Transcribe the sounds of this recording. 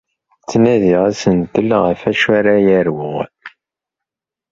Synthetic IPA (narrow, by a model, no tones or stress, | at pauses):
t͡sːnæðiʁæsənt̪əlʁəfæʃæɾajæɾwʊʁ